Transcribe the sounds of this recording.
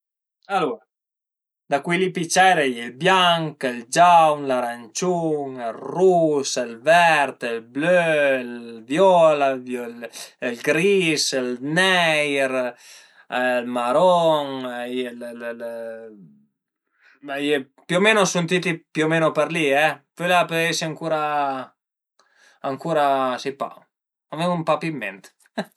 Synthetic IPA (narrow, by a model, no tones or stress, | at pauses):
aluːɾa | d̪akwilipit͡ʃɛɾejelbjaŋkeld͡ʒawnlaɾant͡ʃuŋelruselvɛɾt̪elblølvjɔlavjolelɡɾiselnɛjɾ | lmaɾɔŋjll | aje | pomenosunt̪it̪ipjomenopəɾliɛpølapøesiaŋkuɾa | aŋkuɾasipa̰ | ameŋumpapimɛ̰nt̪